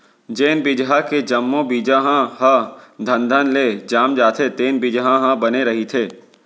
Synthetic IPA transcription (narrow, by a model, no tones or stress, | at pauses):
d͡ʒeːnbɪd͡ʒɦaked͡ʒɐmːõbiːd͡ʒaɦãɦãd̪ʱə̃nd̪ʱənleːd͡ʒaːmd͡ʒaːt̪ʰet̪eːnbɪd͡ʒɦãɦãbɐneɾɐɦit̪ʰeː